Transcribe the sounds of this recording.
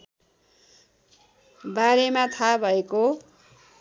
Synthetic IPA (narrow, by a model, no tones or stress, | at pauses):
baɾemat̪ʰabʱʌeko